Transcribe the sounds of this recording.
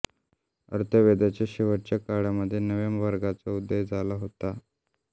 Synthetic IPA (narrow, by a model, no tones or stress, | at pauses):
ə̰ɾt̪ʰəʋed̪at͡ɕjaɕiʋəɾt͡ɕakaɽjaməd̪ʱːjenəʋemʋəɾɡat͡saud̪ːəɦd͡zʱalaɦot̪a